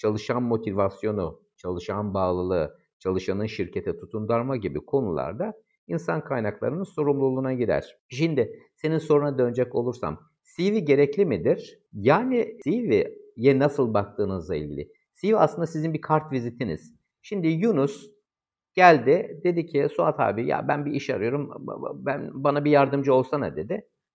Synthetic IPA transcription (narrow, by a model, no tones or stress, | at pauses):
t͡ʃʰalˠɯʃanmo̞t̪ʰivasjo̞nu | t͡ʃʰalˠɯʃanbaːlˠɯlˠɯ | t͡ʃʰalˠɯʃanɯnʃiɾcʰe̞t̪ʰɛt̪ʰut̪ʰund̪aɾmaɟibikʰo̞nṵlˠa̰ɾd̪a | insankʰajnaklˠa̰ɾɯnɯnso̞ɾumlˠulˠunaɟid̪æ̰ɾ̥ʃind̪ɪse̞ninso̞ɾunad̪ø̞nd͡ʒɛco̞lˠuɾsa̰m | siviɟe̞ɾɛclʲimid̪iɾ̥ | jaːnɪivijɛnasɯlˠbak̚t̪ʰɯːnɯzlˠaḭlʲɟilʲɪ̰ | sivia̰slˠɯnd̪asizinbikʰaɾt̪vizit̪ʰinḭz̥ | ʃimd̪ijunus | ɟ̥ælʲd̪ɪd̪e̞d̪icʰisuat̪ʰha̰ːbiɾja̰bænbiiʃa̰ɾɯjo̞ɾumbænbanabijaɾd̪ɯmd͡ʒɯo̞lˠsana̰d̪e̞d̪ɪ